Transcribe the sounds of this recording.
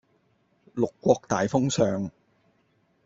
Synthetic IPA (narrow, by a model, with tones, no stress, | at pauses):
lʊ˨kːʷɔː˧k̚t̪aː˨jfʊ˥ŋsœː˨ŋ